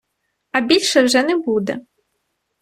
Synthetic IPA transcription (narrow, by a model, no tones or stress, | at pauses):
ɐbʲilʲʃɛwʒɛnɛbud̪ɛ̰